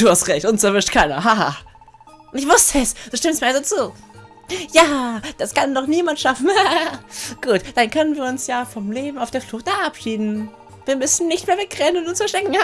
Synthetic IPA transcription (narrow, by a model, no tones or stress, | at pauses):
d̥uːhastʁɛçtʔʊnsɛɐvɪʃtkʰaɪnɐ̰ɦaha | nɪçv̥ʊstəɛsd̥uːʃtɪmstmiɐalzot͡suː | jaːd̥askanːɔχniːmantʃafn̩ha | ɡ̥uːtd̥ankʰœnənviːɐʊnsjaːfɔmleːbm̩aʊfd̥eːɐflʊxtɛʔapʃiːdn̩ | viːɐmʏsn̩nɪçtmeːɐvɛk̚ʁɛənʊntʊnsfɛɐʃtɛkŋ̩ha